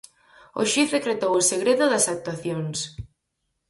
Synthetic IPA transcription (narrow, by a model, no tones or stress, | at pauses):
o̰ʃifðekɾet̪owoseɣɾeðʊðɐsak̚t̪waθjons